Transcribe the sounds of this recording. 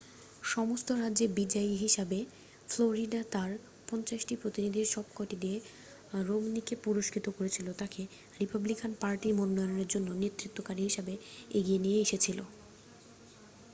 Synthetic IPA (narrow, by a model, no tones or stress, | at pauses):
ʃɔmost̪oɾadːʑebid͡ʑaiɦiʃabe | floɾiɖat̪aɾ | pɔnt͡ɕaʃʈipɾot̪inid̪ʱiɾʃɔb̚kɔʈid̪ie | ɾomnikepuɾoʃkʰit̪okoɾet͡ɕʰilot̪ake | ɾipablikanpaɾʈimonːɔjooneɾd͡ʑonːonet̪ɾit̪ːokaɾiɦiʃabeeɡienijeeʃet͡ɕʰilo̰